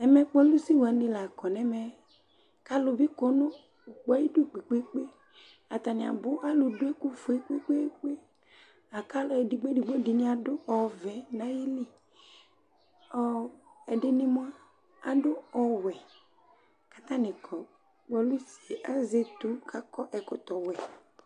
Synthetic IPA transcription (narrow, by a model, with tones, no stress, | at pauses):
ɛ˨mɛ˦k͡pɔ˦lu˦si˦wo˨a˨nĩ˨˦la˨kɔ˨nɛ˨mɛ˨ | ka˦lʊ˨bi˦ko˨no˦ | u˨k͡pɔ˦ji˦du˦˨k͡pe˨k͡pe˦k͡pe˦ | a˨t̪a˨nĩ˨a̰˨bʊ˦ʔa˦lʊ˨do˦e˦ku˦fo˨i˦k͡pe˦k͡pe˦k͡pe˦ | a˨ka˦lɔ˦e˨di˨ɡ͡bdi˨ɡ͡be˦di˨nĩ˦a˨dʊ˦ɔ˨vɛ˨nã˦ji˦li˦ | ɔ˦ɛ˨dɪ˦nɪ˦mʊ˦a˦ | a˨dʊ˦ɔ˨wɛ˨ | ka˨t̪ã˦nɪ̃˨kʰɔ˨ | k͡pɔ˨˦lu˦si˨e˨ʔa˦ze˦t̪u˦kʰa˦kɔ˦ʔɛ˨kʊ˦t̪ɔ˨wɛ˨